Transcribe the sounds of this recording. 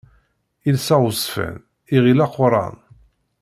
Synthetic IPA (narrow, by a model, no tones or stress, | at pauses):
ilsæʁʊsfə̰n | iʁilaqːʊɾˤɑ̰n